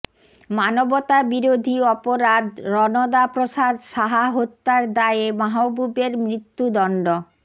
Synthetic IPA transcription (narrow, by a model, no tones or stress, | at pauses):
manobot̪abiɾod̪ʱiɔpoɾad̪ɾɔnod̪apɾoʃad̪ʃaɦaɦot̪ːaɾd̪aeemaɦobubeɾmɾit̪ːud̪ɔɳɖo